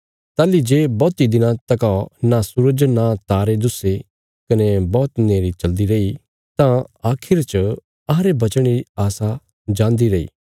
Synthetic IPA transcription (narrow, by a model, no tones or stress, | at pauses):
t̪aːlid͡ʒeːbɔːt̪id̪ɪnãt̪ɐkaonasʊɾəd͡ʒnat̪aːɾed̪ʊse | kɐnebɔːt̪neːɾit͡ʃɐld̪iɾɐi | t̪ãaːkʰɪɾt͡ʃ | ɐɦãɾebɐt͡ʃəɽ̃eɾiaːsa | d͡ʒãːnd̪iɾɐḭː